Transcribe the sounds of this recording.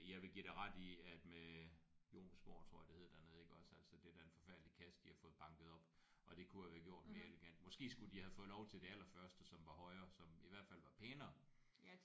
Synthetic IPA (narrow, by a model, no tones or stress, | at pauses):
jɑ̈ɪʋe̝ɡ̥iɾ̥eʁɑ̈d̥iæd̥mejo̝̰ːnsb̥o̝̰ːt͡sʰʁo̝ɐ̰jɐd̥eheð̰ˠd̥ænoð̩ˠeɡ̥ɒ̽sæl̰sɒd̥e̝d̥æɐenfɒ̽fæɐd̥əlikʰæs̚d̥ihɑ̈fɔ̽ːð̩ˠb̥ɑ̈ŋɡ̥ð̩ˠɒ̽b̥ | ʔɒ̽d̥e̝kʰuhæʋæɐɡ̥jo̝ɐ̰d̥me̝ːɐe̝leɡ̥æn̰d̥mɒ̽sɡ̥e̝̰ːsɡ̥ud̥ihæð̩ˠfɔ̽ːð̩ˠlɒʊt͡sʰe̝ld̥e̝ælɐfɶɐsd̥əsɒ̽mʋɑ̈hɒ̽ɪɐːsɒ̽miʋæɐ̰d̥fælʋɑ̈pʰeːnɐ